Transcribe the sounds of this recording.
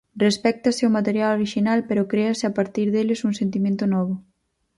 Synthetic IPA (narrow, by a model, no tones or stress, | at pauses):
respɛk̚t̪aseomat̪eɾjaloɾiʃinalpeɾʊkɾeasɪapaɾt̪iɾðelɪsuŋsent̪imẽnt̪ʊnɔβ̞ʊ